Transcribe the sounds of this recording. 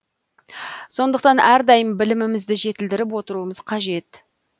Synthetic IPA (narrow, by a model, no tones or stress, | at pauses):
so̞nd̪əq̚t̪ɑnæɾd̪ɑjəmbɪlɪmɪmɪzd̪ɪʒe̞t̪ɪld̪ɪɾɪp̬wo̞t̪əɾuəməz̥qʰɑʒe̞t̪